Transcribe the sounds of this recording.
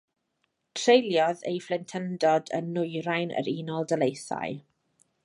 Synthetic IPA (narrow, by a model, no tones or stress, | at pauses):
tʰrejlˠjɔðḛjflɛntʰəndɔdə̰nːʊjɾajnə̰ɾiːnɔlˠdəlejθa̰j